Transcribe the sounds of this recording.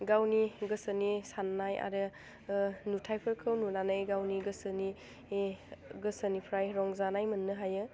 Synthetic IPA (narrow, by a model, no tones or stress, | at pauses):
ɡawniɡɯsənisanːaja̰ɾɯ | nutʰajpʰɯɾkʰɯwnunanajɡawniɡɯsəni | ɡɯsənipʰɾajɾɔŋzanajmɯnːɯɦajɯ